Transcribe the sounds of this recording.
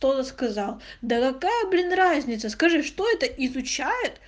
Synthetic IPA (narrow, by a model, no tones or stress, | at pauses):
t̪ot̪əskɐzɑlˠd̪əkɐkajəblʲinrazʲnʲɪt̪səskɐʐɨʂt̪o̞ɛt̪əʔɪzʊt͡ɕæjɪt̪